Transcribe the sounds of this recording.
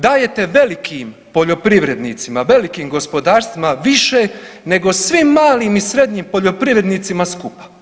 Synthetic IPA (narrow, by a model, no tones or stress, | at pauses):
d̪aːje̞t̪e̞ʋe̞likʰim | po̞ʎo̞pɾiʋɾe̞d̪nit̪simaʋe̞likiːmɡo̞spo̞d̪aːɾst̪ʋimaʋiʃene̞ɡosʋimːaːliːmisɾe̞d̪ɲiːmpo̞ʎo̞pɾiʋɾe̞d̪niːt̪simaskupḁ